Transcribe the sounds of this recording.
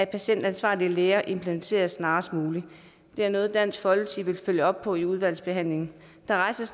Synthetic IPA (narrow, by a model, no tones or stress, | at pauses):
æ̥pʰæɕen̰d̥ænsʋɑ̰̈ːliəleːɐʔe̝mpʰlement͡sʰe̝̰ːɐðsnɑ̈ːsd̥muːli | d̥e̝æɐmɔ̽ːð̞̩ˠd̥æn̰sɡ̥fɒ̽lt͡sʰiʋe̝lføljəɒ̽b̥̚pʰɒ̽iuð̞ˠʋæl̰sb̥e̝ɦæn̰le̝ŋn̩ | d̥ɑ̈ʁɑ̈ɪsɐs